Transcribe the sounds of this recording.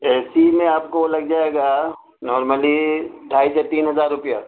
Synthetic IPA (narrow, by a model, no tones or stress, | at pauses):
ɛːsimẽaːp̚kolɐɡ̚d͡ʒaːeɡa | nɔːɾməliɖʱaːiset̪iːnɦɐzaːɾːʊpija